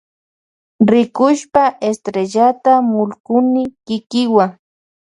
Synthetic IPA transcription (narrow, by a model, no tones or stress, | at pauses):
ɾɪkʊʃpaʔest̪ɾeʎat̪amʊlkʊnɪkɪkɪwaŋ